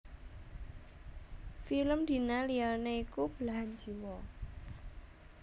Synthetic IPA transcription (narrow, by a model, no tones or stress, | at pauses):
filəmd̪̥i̤nalianeikub̥əlaɦand͡ʒi̤wɔ